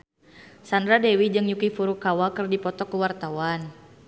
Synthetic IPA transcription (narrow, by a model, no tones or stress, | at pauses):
sandɾadɛwid͡ʒɨŋjukifuɾukawakɨrdipɔt̪ɔkuwart̪awan